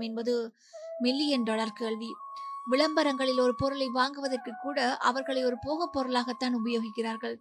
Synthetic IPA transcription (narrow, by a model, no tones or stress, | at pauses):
mɛnbɐðɯ | mɪlːijɐnɖɔlɐɾkeːɭʋi | ʋɪɭɐmbɐɾɐŋɡɐɭɪlɔɾɯpɔɾɯlɐɪʋaːŋɡɯʋɐðɐrkɯkːuːɽɐʔɐʋɐɾɣɐɭɐɪɔɾɯpoːɣɐpːɔɾɯlaːɣɐt̪ːaːnʊbɐjoːɣɪkːɪraːɾɣɐɭ